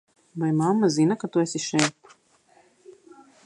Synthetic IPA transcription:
vajmamːazinakat̪uɛsiʃɛjt̪u̥

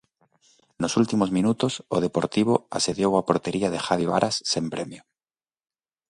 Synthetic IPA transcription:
nosult̪imozmĩnut̪osoð̞epoɾt̪iβ̞oa̰se̞ðjowapoɾt̪eɾiaðexaβiβa̰ɾʔasːempɾemjo

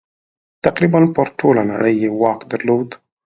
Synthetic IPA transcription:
t̪aqɾibanpəɾʈʰolana̰ɽəjːewɑkd̪aɾlod̪

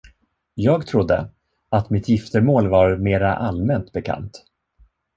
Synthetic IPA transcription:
jɑːɡt̪ʰɾʊd̪ːə̰ | at̪mɪt̪jɪft̪əɾmoːlvaɾmeːɾaʔalmɛnt̪bɛkʰa̰nt̪

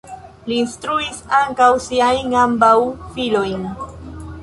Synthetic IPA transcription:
liːnstɾuisaŋkawsiajnambawfilo̞jn

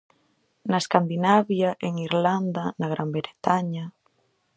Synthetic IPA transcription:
naeskand̪inaβjaʔeŋiɾland̪anaɣɾʔambɾeɾet̪aɲa

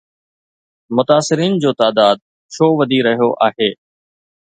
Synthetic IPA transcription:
mʊt̪aːsɪɾiːnd͡ʑoːt̪aːd̪aːd̪̚ | ʃʰoːʋɐd̪ʱiɾɐɦijoʔaːɦeː

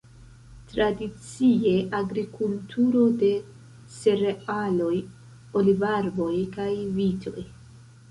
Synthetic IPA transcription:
tɾadit͡sie̞ʔaɡɾikultʰuɾo̞de̞ | se̞ɾealo̞j | olivaɾbo̞jkajvitʰo̞̰j

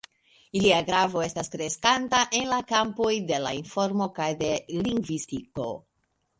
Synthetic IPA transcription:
iliaɡɾavo̞e̞staskɾe̞skantaʔe̞nlakampo̞jde̞lainfo̞ɾmo̞kajde̞liŋɡvistiko̞̰

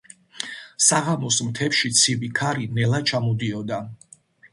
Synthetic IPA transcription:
saʁamɔsmt̪ʰɛpʃit̪sʰibikʰaɾinɛlat͡ʃʰamɔd̪iɔd̪a

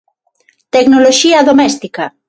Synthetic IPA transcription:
t̪eknoloʃiɐðomɛst̪ikɐ

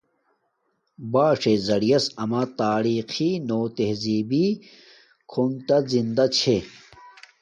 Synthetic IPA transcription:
baːʂezɐɽijɐsɐmat̪aːɾiːxinoːt̪eɦziːbi | kʰont̪azind̪at͡ɕʰe

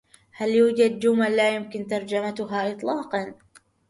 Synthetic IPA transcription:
haljuːd͡ʒad̪̚d͡ʒʊmalːaːjʊmkɪnt̪ɑɾˤd͡ʒamat̪ʊɦaːʔɨt̪ˤlɑːqɑn

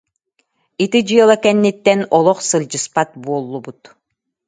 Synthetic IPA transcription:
it̪id͡ʑɯɛlˠakɛnːit̪ːɛnɔlˠɔχsɯlʲd͡ʑɯspat̪̚buɔlˠːubut̪

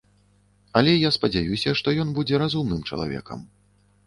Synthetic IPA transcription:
ɐlʲɛjaspɐd͡zʲajusʲɐʂt̪ɔjɔnbud͡zʲɛɾazumnɨmt͡ʂɐ̰lˠa̰vʲɛ̰kɐ̰m

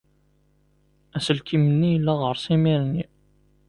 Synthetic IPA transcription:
æsəlkimənːijəlːæʁəɾsˤimiɾnːi

